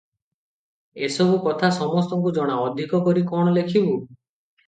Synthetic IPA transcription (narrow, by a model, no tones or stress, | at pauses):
esɔbukɔt̪ʰasɔmɔst̪ɔŋk̬ud͡ʒɔɽ̃aɔd̪ʱikɔkɔɾikɔɽ̃ɔlekʰibu